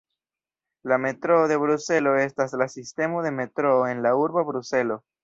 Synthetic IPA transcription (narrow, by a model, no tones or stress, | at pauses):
lame̞tɾo̞ːðe̞βɾuse̞lo̞e̞staslasiste̞mo̞ðe̞me̞tɾo̞ːenlauɾbabɾuse̞lo̞